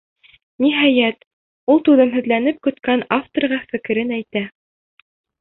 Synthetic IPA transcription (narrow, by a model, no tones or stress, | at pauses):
niɦɑjæt̪ | ulˠt̪uðɤmɦɵ̆ðlænɘp̚kɵ̆t̪kænaft̪orʁɑfɘ̆kɘ̆ɾɘnæjt̪æ